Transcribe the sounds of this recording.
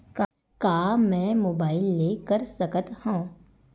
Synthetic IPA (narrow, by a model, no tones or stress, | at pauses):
k | kaːmɛ̃moːbaːɪlːeːkəɾsəkət̪hõː